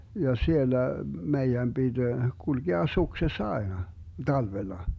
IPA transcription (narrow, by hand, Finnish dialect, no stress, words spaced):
jɑ sielːæ meijæm b̥id̥ ɡ̊ulɡeɑ suksesː ɑenɑ tɑlʋelːɑ